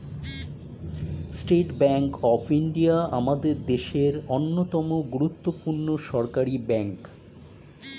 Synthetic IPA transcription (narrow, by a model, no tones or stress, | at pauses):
sʈeʈbɛŋkɔpʰiɳɖiaamad̪eɾd̪eʃeɾonːot̪ɔmoɡuɾut̪ːopuɾnoʃɔɾkaɾibɛŋk